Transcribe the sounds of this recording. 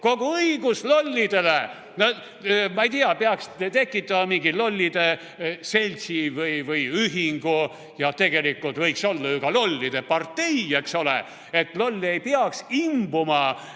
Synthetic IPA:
ko̞ɡ̥uɤiɡuslo̞lʲːid̪̥e̞le | no | mɑejt̪iɑpeɑkst̪e̞kːˑit̪ːˑɑmɑmiŋɡilo̞lʲːid̪̥e | se̞lʲsivɯjvɯjyɦiŋɡ̥u | jɑt̪e̞ɡ̥e̞likːˑult̪vɤjkso̞lːɑyɡ̥ɑlo̞lʲːid̪̥epɑrt̪ːe̞jekso̞lḛ | et̪lo̞lʲːe̞jpeɑksimbumɑ

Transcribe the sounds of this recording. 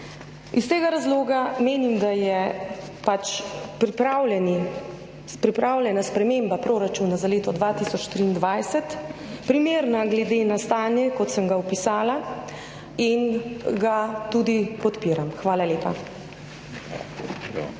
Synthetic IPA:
ist̪eːɡaɾazloːɡameːnimd̪ajɛ | pat͡ʃpɾipɾawlɛni | pɾipɾaːwlʲjɛnaspɾɛmeːmbapɾoːɾat͡ʃuːnazaleːt̪ɔd̪ʋaːt̪iːsɔt͡ʃt̪ɾiːnd̪ʋajsɛt̪pɾimeːɾnaɡlɛd̪eːnast̪aːnjɛkɔt̪səmɡawpisaːla | inɡat̪uːd̪ipɔt̪piːɾamxʋaːlalʲeːpa̰

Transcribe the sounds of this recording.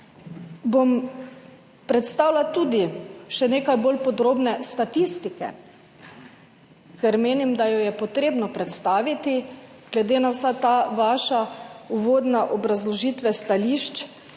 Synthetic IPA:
bom | pɾɛt̪st̪aːwlat̪uːd̪iʃɛneːkajbolpɔd̪ɾoːbnɛst̪at̪ist̪ikɛ̰ | kɛɾmeːnimd̪ajɔjɛpɔt̪ɾeːbnɔpɾɛt̪st̪aːʋit̪i | ɡ̥lɛd̪eːnawsat̪aːʋaːʃauʋoːd̪naʔɔbɾazlɔʒiːt̪ʋɛst̪aliʃt͡ʃ

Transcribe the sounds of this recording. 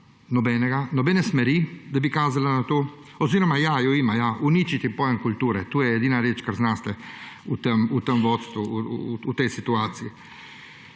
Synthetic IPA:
nɔbɛːnɛɡanɔbɛːnɛsmɛɾid̪abikaːzalanat̪oː | oziɾɔmajajɔiːmajaunit͡ʃit̪ipɔjɛŋkult̪uːɾɛt̪uːjɛɛd̪iːnaɾeːt͡ʃkaɾznast̪ɛut̪əmut̪əmʋɔt̪st̪ʋuut̪ejsit̪uaːt̪sii

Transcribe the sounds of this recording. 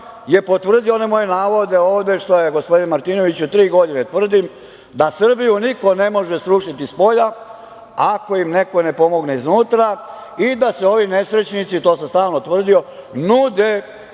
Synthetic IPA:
je̞po̞t̪ʋr̩d̪ioonemo̞je̞naːʋo̞d̪e̞oːʋd̪e̞ʂt̪o̞jeɡo̞spo̞d̪inmaɾt̪iːno̞ʋit͡ɕut̪ɾiːɡo̞d̪inet̪ʋr̩d̪im | d̪asr̩bijuniko̞ne̞mo̞ʒe̞sɾuʂit̪ispo̞ʎa | ako̞imne̞ko̞ne̞po̞mo̞ɡne̞iznuːt̪ɾa | id̪ase̞o̞ʋine̞sɾe̞t͡ɕnit̪sit̪o̞ːsamst̪aːlnot̪ʋr̩d̪io̞nud̪e

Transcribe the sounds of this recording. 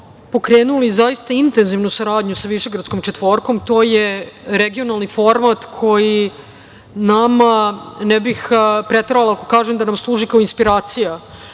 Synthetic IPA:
po̞kɾeːnulizaist̪aint̪enziʋnusaɾaːd̪ɲusaʋiʃe̞ɡɾat̪sko̞mt͡ʃet̪ʋo̞ːɾko̞mt̪o̞ːjeɾeɡio̞nalˠnifo̞ɾmat̪kʰo̞ji | namanɛbixpɾet̪ɾaalˠaako̞̥kaːʒemd̪anamslˠuːʒikaoinspiɾaːt̪sija

